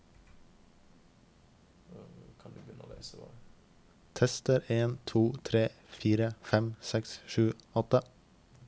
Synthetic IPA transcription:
kʰɑnd̪ʉːbjʏnəʔo̰leɪsəʋɑ̰ | t̪ʰɛst̪əɾeːnt̪ʰuːt̪ʰɾeː | fiːɾəfɛmsɛksʃʉːɔt̪ə

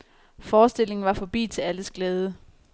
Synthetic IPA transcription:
fɒːsd̥e̝l̰e̝ŋn̩ʋɑ̈fɒ̽b̥ḭːt͡sʰe̝læləsɡ̥lɛːð̞ˠə

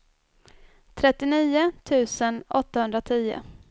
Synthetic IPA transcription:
t̪ʰɾɛt̪ːɪniːʊt̪ʰʉ̟ːsənɔt̪ːahɵnd̪ɾat̪ʰiːʊ̰

